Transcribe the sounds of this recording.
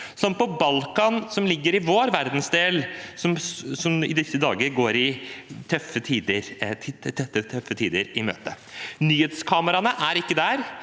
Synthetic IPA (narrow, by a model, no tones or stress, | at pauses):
sɔmpɔbɑlkɑnsɔmlɪɡːəɾɪʋoːɾʋæɾd̪n̩sd̪eːlsɔmsɔmɪ̰d̪ʏkt̪ɪəd̪ɑːɡəɾɡoːɾɪt̪ʰœfət̪ʰiːd̪əɾʰt̪ːt̪ʰœfːət̪ʰiːd̪əɾɪmø̰ːt̪ə | nyːheːt̪skʰɑːməɾɑnəʔæɾɪkːəd̪æɾ